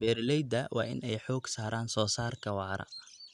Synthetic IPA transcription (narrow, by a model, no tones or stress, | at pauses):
b̥ɛːɾlɛjd̪ɐwɑ̰ːʔɪ̰nɛjħɔːɡsaːɾaːnsɔːsaːrkʰɐwɑːɾɐ̰